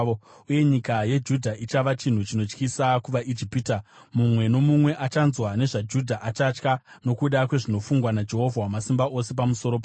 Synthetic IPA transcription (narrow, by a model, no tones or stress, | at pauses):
uje̞ɲikaje̞d͡ʒudʱaʔit͡ʃaʋat͡ʃin̤ut͡ʃino̞t͡ʃkisakuʋaʔid͡ʒipita | mumwe̞no̞mumwe̞ʔat͡ʃanzwane̞ʐad͡ʒudʱaʔat͡ʃat͡ʃka | no̞kuɗakwe̞ʐino̞fuŋɡwanad͡ʒe̞ɦo̞vʱawamasimbaʔo̞se̞p̬amuso̞ɾopa